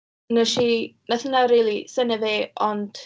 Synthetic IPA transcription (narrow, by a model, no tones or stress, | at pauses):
nəʃinaθənaɾilˠisənəveːɔnd̥